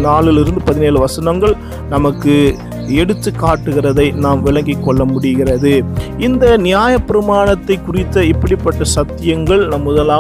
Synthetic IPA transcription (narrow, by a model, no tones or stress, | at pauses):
naːɭɪlɪɾɯnd̪ɯpɐðɪneːlɯʋɐsɐnɐŋɡɐɭ | nɐmɐkːɯ | ɛɽɯt̪ːɯkːaːʈːɯɣɪrɐðɐɪnaːmʋɪɭɐŋɡɪkːɔɭːɐmʊɽɪɣɪrɐðɯɪnd̪ɐnɪjaːjɐpːɪɾɐmaːɳɐt̪ːɐɪkːʊrɪt̪ːɐɪpːɐɽɪpːɐʈːɐsɐt̪ːɪjɐŋɡɐɭnɐmːʊðɐlaː